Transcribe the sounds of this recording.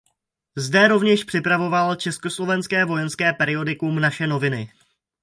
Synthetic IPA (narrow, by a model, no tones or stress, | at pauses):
zdɛɾo̞vɲɛʃpr̝̥ɪpɾavo̞valt͡ʃɛsko̞slo̞vɛnskɛːvo̞jɛnskɛːpɛɾɪo̞dɪkumnaʃɛno̞vɪnɪ